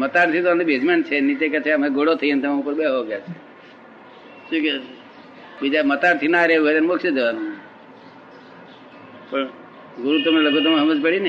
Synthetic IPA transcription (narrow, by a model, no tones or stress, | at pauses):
mət̪aɾt̪ʰit̪oamibed͡ʒment͡ʃʰenit͡ʃ̪eket͡ʃʰemeɡoɽot̪ʰəint̪əmãupəɾbeɦoɡjat͡ʃʰe | ʃũke | bid͡ʒamət̪aɾt̪ʰinaɾeɦuɦojt̪anmokʰʃid̪eʋanũ | pəɳ | ɡuɾut̪əmnləɡõt̪omɦəməd͡ʒpəɽin